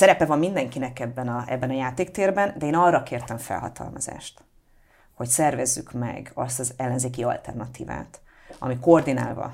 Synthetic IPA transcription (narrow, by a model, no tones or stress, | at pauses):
sɛɾɛpɛvɒmːind̪ɛŋkinɛkɛbːɛnɒɛbːɛnɒjaːt̪eːkt̪eːrbɛnd̪ɛeːnɒrːɒkeːrt̪ɛɱfɛ̰lɦɒ̰t̪ʰɒ̰lmɒza̰ːʃt̪ | ho̞csɛrvɛzːy̰kmɛ̰ɡɒst̪ɒzɛlːɛnzeːk̬iɒ̰lt̪ɛ̰rnɒt̪ḭːva̰ːt̪ɒ̰mikord̪ina̰ːlvɒ̰